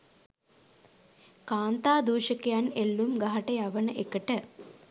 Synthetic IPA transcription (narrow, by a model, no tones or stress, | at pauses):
kaːnt̪aːd̪uːʃəkejanelːumɡaɦaʈəjaʋənəʔekəʈə